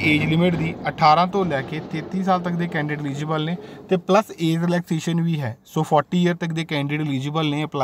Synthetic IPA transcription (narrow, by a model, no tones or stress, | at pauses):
eːd͡ʒlɪmɪʈd̪iːəʈʰːaːɾãːt̪õːlɛːkeːt̪eːt̪iːsaːlt̪əkd̪eːkɛ̃ːɳɖɪɖliːd͡ʒɪbəlneːt̪eːpləseːzɾɪlɛːkseːʃənʋiːɦɛːsoːpʰɔːʈiːɪjəɾt̪ək̚d̪eːkɛ̃ːɳɖɪɖliːd͡ʒɪːbəlneːəpla